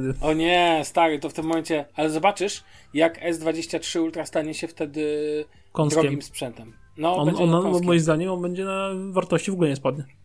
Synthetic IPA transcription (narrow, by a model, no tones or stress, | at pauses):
d̪ɘɔɲɛst̪aɾɨt̪ɔft̪ɘmːɔmɛnt͡ɕɛalɛzɔbat͡ʂɘʂ | jakɛzd̪vad͡ʑeɕt͡ɕatʂɘult̪ɾast̪aɲɛɕɛft̪ɛd̪ɘ | kɔnsɾɔkʲɛɡmimspʂɛnt̪ɛm | nɔɔɛɔnamɔjimzd̪aɲɛmɔnbɛɲd͡ʑɛnavaɾt̪ɔɕt͡ɕivɔɡulɛɲɛspwad̪̚ɲa